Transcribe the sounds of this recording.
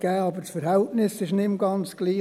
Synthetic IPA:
ɡ̥æːɑbəɾsfəɾhɛltnɪsɪʃnɪmɡɑnt͡sɡ̥liː

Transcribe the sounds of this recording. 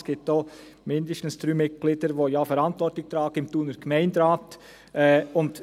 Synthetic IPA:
sɡ̥ɪːp̚toː | mɪndəʃtən̩stɾyːmɪt̚ɡ̥liːdəɾʋoːjaːfɛɾɑntʋɔɾtlɪçt̪ɾaːɡ̥ɪmtuːnəɾɡ̥mæɪndɾaːt | ʔɛʊnd

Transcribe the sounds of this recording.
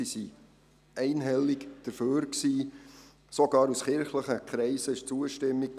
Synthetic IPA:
isi | ɛɪnɦɛlːikd̥əɾføːɾksiː | soɡ̥ɑːɾusχɪɾχləχəkχɾɛɪsəɪʃt͡suəʃtɪmːik̚

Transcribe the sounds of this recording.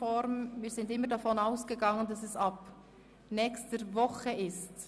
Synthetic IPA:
ɔɾmmiːz̥ɪndɪmːəɾdɑfɔnaʊsɡ̥əɡɑŋəndɑsɛsɑb̥ | nɛːçstəɾvɔχəʔɪst

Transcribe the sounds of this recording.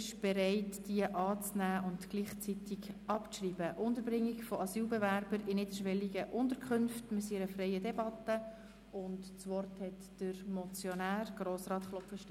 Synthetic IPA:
ʃb̥ɛɾɛɪtd̥iəʔɑːt͡snæːʔʊntɡ̥liːχt͡sit̪ɪɡɑpʃriːbəʔʊntəɾbɾɪŋːɪɡfɔɑsyːlbɛvæɾbəɾɪnɪʃʋɛliɡəʔʊnt̪əɾkʰχɵnftmɪsiɾəfrɛɪədɛbɑt̪ə | ʊntt͡sʋɔrthɛt | d̥əɾmɔt͡sjɔnæːrɡ̥roːsrɑːtχlɔpfəʃtɛ

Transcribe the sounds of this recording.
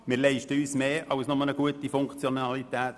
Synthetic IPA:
mɪɾlɛɪʃtəyːsmeːɑwsnɔmələɡ̥uətifʊŋkt͡sjonɑlit̪ɛːt

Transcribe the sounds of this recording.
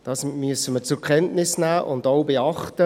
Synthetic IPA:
d̥ɑːsmyəsəməɾt͡sʊkʰɛntnɪsnæːʔʊndowbeɑχtə

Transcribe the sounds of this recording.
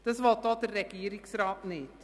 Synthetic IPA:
d̥əsʋɑtɑːdərːɛɡiːɾɪksraːtnɪt

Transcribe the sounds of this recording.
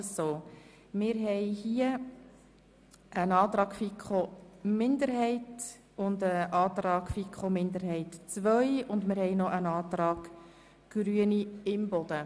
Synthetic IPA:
soː | mɪːɾɦɛjhiə | ənɑːt̪ɾɑːɡfikχomɪndəɾɦɛɪt | ʊndəʔɑːt̪ɾɑːɡ̥fikχomɪnd̪əɾɦɛɪtt͡sʋœʏʊndmɪɾhɛjnɔʔənɑːt̪ɾɑːɡ̥ | ɡ̥ɾyəniɪmbɔd̥̪ə

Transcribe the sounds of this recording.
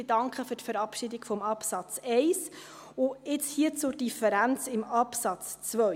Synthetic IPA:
d̥ɑŋkχəfʏɾtfəɾɑpʃidɪkfɔmɑpsɑt͡sɛɪs | ʊɪt͡shiət͡sʊɾd̥ifəɾænt͡sɪmɑpsɑt͡st͡sʋœ

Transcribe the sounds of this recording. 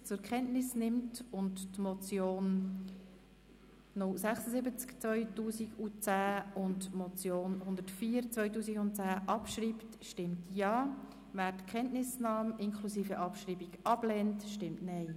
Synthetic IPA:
t͡sʊɾkʰɛntnɪsnɪmtʊndtmɔt͡sjoːn | ɔsæχsəsɪbət͡skt͡svœʏtuːsiɡut͡sæːʊntmɔt͡sjoːnhʊndətfiːəɾt͡sʋvœʏtuːsiɡʊnt̚t͡sæːʔɑpʃɾiːptʃtɪmtjɑː | væːɾtkʰχɛntnɪsnɑːmɪnkʰlusiːfəʔɑpʃriːbiɡɑb̥lɛːntʃtɪmtnɛɪ

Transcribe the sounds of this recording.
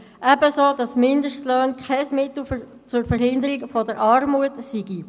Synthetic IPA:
ʔɛbəsoːdɑsmɪndəʃtløːnkʰɛɪsmɪt̪l̩ | t͡sʊɾfəɾɦɪnd̪əɾikfɔdəɾʔɑɾmuətsiɡi

